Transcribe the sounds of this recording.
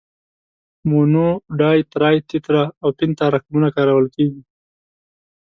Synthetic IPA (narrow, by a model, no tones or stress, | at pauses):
monoɖɑjt̪ɾɑjt̪ɪt̪ɾaːwpɪnt̪aɾaqmunakɑɾawəlkeɡi